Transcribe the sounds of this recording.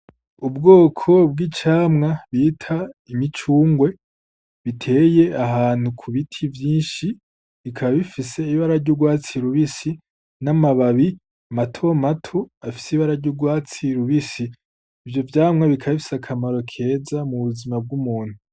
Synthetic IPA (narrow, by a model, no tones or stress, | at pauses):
ubɡoːkʰo̞b̚ɡit͡ʃaːmŋaβiːtʰaimit͡ʃuːŋɡwe̞ | βitʰe̞ːje̞aɦaːn̥hukʰuβitʰivjiːnʃi | βikʰaβaβifise̞iβaɾaɾɟuɡwaːt͡siɾuβisi | namaβaβi | amatʰomatʰoafi̥seiβaɾaɾɟuɾɡwaːt͡siɾuβisiː | vjo̞vjaːmŋaβikʰaβaβifi̥sakʰamaɾo̞kʰe̞ːzamuβuzimab̚ɡumuːn̥hu